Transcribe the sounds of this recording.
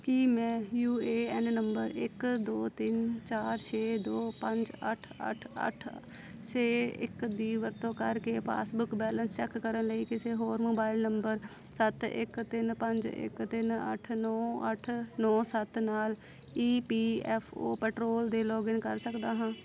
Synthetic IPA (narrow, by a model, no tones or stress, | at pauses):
kiːmɛ̃ːjuːeːɛːnnəmbəɾɪkd̪oːt̪ɪnt͡ʃaːɾt͡ʃʰeːd̪oːpə̃ɲd͡ʒə̰ʈʰə̰ʈʰə̰ʈʰ | t͡ʃeːɪ̰kd̪iːʋəɾt̪õːkəɾkeːpʰa̰ːsbʊkbɛːlənst͡ʃɛkːəɾənləiːkɪseːɦoːɾmoːbaːɪlnəmbəɾ | sət̪ɪ̰kt̪ɪnpəɲd͡ʒɪ̰kt̪ɪnə̰ʈʰnɔːəʈʰnɔːsət̪naːl | iːpiːɛːpʰo̰ːpɛːʈɾoːld̪eːlɔːɡɪŋkəɾsəkd̪aːɦãː